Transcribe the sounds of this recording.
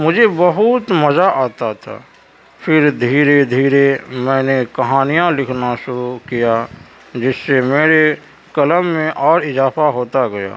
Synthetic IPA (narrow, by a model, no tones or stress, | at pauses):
mʊd͡ʒʱebɐɦʊt̪mɐzaʔaːt̪at̪ʰa̰ː | pʰɪɾd̪ʱiːɾed̪ʱiːɾemɛ̃ːnekɐɦaːnijãlɪkʰnaʃʊɾukija | d͡ʒɪsːemeːɾe | kɐləmːẽʔɔːɾɪzaːfaɦoːt̪aɡɐja̰ː